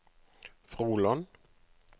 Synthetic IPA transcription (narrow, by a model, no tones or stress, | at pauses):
fʁuːlɔn